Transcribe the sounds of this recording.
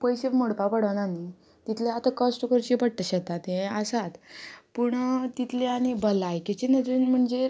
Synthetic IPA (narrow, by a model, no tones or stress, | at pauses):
pojɕefmoɽpapəɽənani | t̪it̪ʰleat̪akəsʈkəɾt͡ɕipəɽ̚t̪əɕəkt̪at̪ẽəsat̪puɳt̪it̪ʰleaɽ̃ibəlajket͡ɕenəd̪inm̤əɳd͡ze